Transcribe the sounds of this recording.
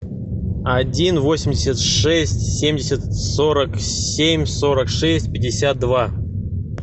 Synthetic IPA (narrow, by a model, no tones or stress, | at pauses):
ɐdʲinvo̞sʲɪmʲdʲɪsʲət̪ʂɛsʲtʲsʲemʲdʲɪsʲət̪so̞ɾəksʲemʲsoɾəkʂɛsʲtʲpʲɪdʲɪsʲat̪̚d̪va